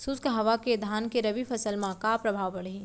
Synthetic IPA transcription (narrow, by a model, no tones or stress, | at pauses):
suskɦɐʋaked̪ʱaːnkeɾɐbipʰɐsəlmãkapɾɐbʱaːʋbɐɽɦi